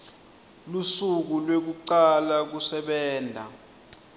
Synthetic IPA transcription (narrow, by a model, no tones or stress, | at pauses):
lusuk̬ulwek̬uǀalak̬usɛɓɛːndʱa̰